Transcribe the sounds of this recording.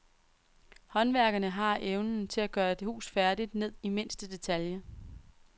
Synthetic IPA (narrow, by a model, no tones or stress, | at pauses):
hɒ̽nʋæɐɡ̥ɐnəɦɑ̈ʔeʊnn̩t͡sʰe̝læɡ̥ɶːɐd̥e̝hṵːsfæɐdid̥ne̝ð̰ˠime̝n̰sd̥əd̥e̝t͡sʰæljɐ